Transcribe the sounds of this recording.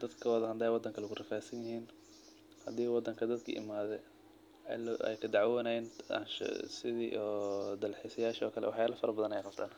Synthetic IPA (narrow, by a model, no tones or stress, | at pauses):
d̪ɐd̪kʰɐwɐðɐhɐnd̪aːwɑd̪ːɐŋkʰɐlɐɡʊrɪfaːsɐnjɪɦiːn | hɐd̪iːwɑd̪ːɐŋkʰɐd̪ɐd̪kʰɐ̰ʔɪ̰maːðɛ | lɛ̰jkʰɐd̪ɑʕwwnajɪna̰nʃsɪðḭːʔɔd̪ɐlħisɐjaːʃɔ̰ːkʰɐlɛ̰wɑħjaːlɐfɐɾɐbɐðɐnɛjqɑbt̪ʰaːn